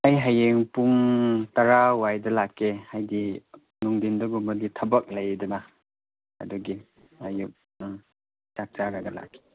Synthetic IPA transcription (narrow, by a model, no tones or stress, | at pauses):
ajɦajeŋpuŋtaɾawajdɐlakʰːehajɡi | nuŋdindɐɡumɐɾɡitʰɐbɐk̚lɐjduna | ɐ̰duɡi | ajuk̚ | t͡ʃak̚t͡ʃaɾaɡɐla̰kʰːe̥